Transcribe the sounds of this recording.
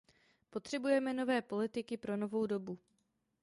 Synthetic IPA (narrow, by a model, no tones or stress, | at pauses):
po̞t̪r̥ɛbujɛmɛno̞vɛːpo̞lɪt̪ɪkɪpɾo̞no̞vo̞wdo̞bu